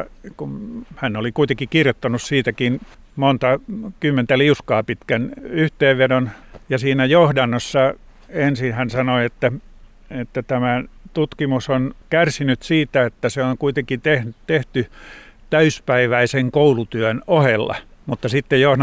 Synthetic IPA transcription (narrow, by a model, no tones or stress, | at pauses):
kunhænːolikuit̪eŋkikirjot̪ːɑnussiːt̪ækin | mont̪ɑkymːent̪æliuskɑːpit̪kænyht̪eːʋʋedonjɑsiːnæjohdɑnːosːɑ | ensinhænsɑnoiet̪ːæ | et̪ːæt̪æmæt̪ut̪kimusonkærsinyt̪siːt̪æet̪ːæseoŋkuit̪eŋkit̪ehnt̪eht̪yt̪æyspæiʋæiseŋkoulut̪yænohelːɑ̰mut̪ːɑsit̪ːejjohd